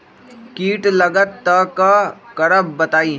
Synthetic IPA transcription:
kiːʈləɡət̪ːəkakɐɾəb̚bɐt̪aːi

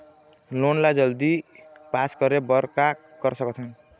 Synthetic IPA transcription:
lonlad͡zʌld̪ipaskʌɾebʌɾka | ɡʌɾsʌkɔt͡sʰʌn

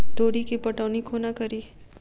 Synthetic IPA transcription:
t̪oːɽikipɐʈɔːnikʰoːnakɐɾiː

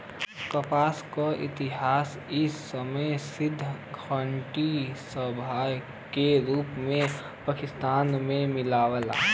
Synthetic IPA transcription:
kəpaːskaʔḭt̪ɪɦaːs | ɪsːəməjsɪd̪ʱːəkʰəɳʈisəbʱaj | keɾuːpmẽ | pakɪst̪aːnmẽmɪlaːwəla̰

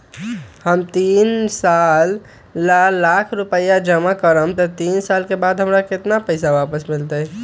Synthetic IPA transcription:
həmt̪insalː | aːakʰɾupəjad͡ʒəmakəɾəmt̪ɔt̪iːnsalkebaːd̪ɦəmɾakɪt̪napəɪsaʋapəsmɪlt̪ə

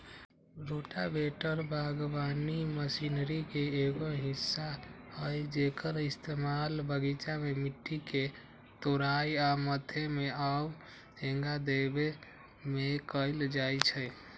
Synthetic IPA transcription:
ɾoʈabeʈəɾbʱaɡbaniməsinɾikeeɡoɦisːa | həjd͡ʒekʰəɾist̪emalbəɡit͡ʃamemiʈːike | t̪oɾajamət̪ʰemeab | ẽŋɡad̪ebe | mekəɪld͡ʒajt͡ʃʰəj

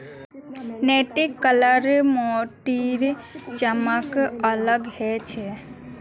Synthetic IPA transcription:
neʈikːələɾmoʈiɾt͡ʃəməkələɡhɛt͡ʃʰɛ

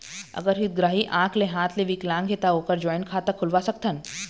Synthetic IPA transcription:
ə̰ɡəɾɦit̪̚ɡɾaɦiʔãkʰleɦãt̪leʋiklãŋɡʱet̪aokəɾd͡ʑɔjnkʰat̪əkʰulʋasək̚t̪ʰən

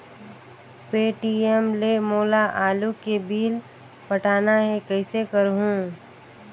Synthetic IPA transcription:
peːʈiemlemoːlaʔaːlukebiːl | pɐʈʰaːnaɦɛkəɪsekəɾɦũː

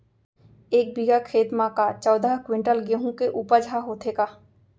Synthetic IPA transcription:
eːk̚biɡakʰeːt̪mãkat͡ʃɔːd̪ʱakwɪ̃ɳʈəlɡeɦũkeʔuːpəd͡ʒʱɦaɦoːt̪ʰeːkaː

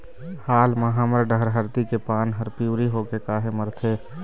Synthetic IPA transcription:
haːlməɦaməɾɖəɦɾɦəɾt̪ikepaːnɦəɾpiʊɾiɦokekaːɦeməɾt̪ʰeː

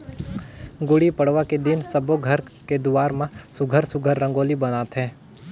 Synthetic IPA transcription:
ɡʊɽipɐɽ̤ʋaked̪ɪnsɐboɡʱɐɾked̪ʊaːɾmãsʊɡʱəɾsʊɡʱəɾːə̃ŋɡoːlibɐnaːt̪ɦɛ̃ː

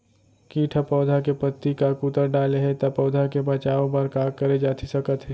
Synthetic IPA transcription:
kiːʈʰapɔːd̪ʱakepət̪ːikakut̪əɾɖaːleɦɛt̪apɔːd̪ʱakebɐt͡ʃaːõpɐɾkaːɾkɐɾed͡ʒaːt̪ʰisɐkət̪ɦɛ

